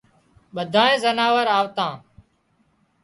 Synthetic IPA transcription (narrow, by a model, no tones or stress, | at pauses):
ɓəd̪ʱãːẽːzənaːʋəɾaːʋt̪ãː